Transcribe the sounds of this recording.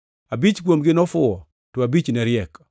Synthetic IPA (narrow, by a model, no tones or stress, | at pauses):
abit͡ʃɡwomɡɪnɔfʊɔ | tɔabit͡ʃnɛɾɪɛk